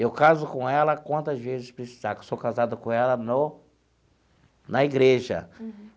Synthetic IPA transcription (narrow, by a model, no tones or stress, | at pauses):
ewkazʊkõɛlɐkwɐ̃nt̪ɐzvezɪspɾesi̥zakesokazad̪ʊkõɛlɐno | nɐiɡɾeʒɐ̰